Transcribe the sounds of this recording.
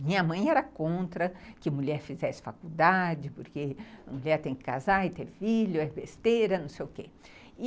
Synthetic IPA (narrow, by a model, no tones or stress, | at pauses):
mĩɲɐmɐ̃j̃ɛɾɐkõnt̪ɾɐkɪɐmuʎɛɾfizɛsɪ̥fakud̪ad͡ʒɪpoɾkeɐmuʎɛɾt̪ẽj̃kɪ̥kazaɪt̪eɾfiʎʊɛbest̪eɾɐnɐ̃w̃sejʊke